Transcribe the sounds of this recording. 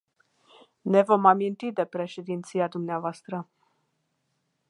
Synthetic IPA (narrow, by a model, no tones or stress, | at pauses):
ne̞vo̞mamint̪id̪e̞pɾe̞ʃed̪int̪sijad̪umneavoast̪ɾə